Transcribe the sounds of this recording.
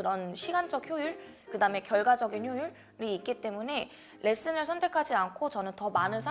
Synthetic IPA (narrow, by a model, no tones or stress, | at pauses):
ɯɾʌnɕʰiɡand͡ʑʌk̚çjojuɭ | kɯdame̞kjʌɭɡwad͡ʑʌɡinçjojuɭ | ɾiːk̚k͈it͈e̞mune̞ | le̞s͈ɯnɯɭsʰʌntʰe̞kʰad͡ʑiankʰot͡ɕʌnɯntʌmanɯns̬ʰa